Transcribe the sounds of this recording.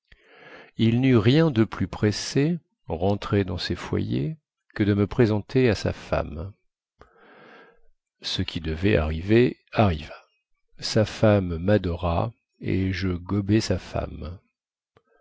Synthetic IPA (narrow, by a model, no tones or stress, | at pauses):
ilnyʁjɛ̃d̪əplypχese | ʁɑ̃t̪χed̪ɑ̃sefwa̰jḛ | kəd̪əməpχezɑ̃t̪ʰeasa̰fa̰m | səkʲid̪əvɛa̰ʁiveaʁiva | safamːad̪ɔʁa | ḛʒəɡɔbɛsafa̰m